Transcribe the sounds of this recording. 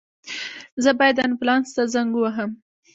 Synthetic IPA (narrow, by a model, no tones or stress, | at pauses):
zəbɑjad̪anplɑnst̪azaŋɡuwaɦəm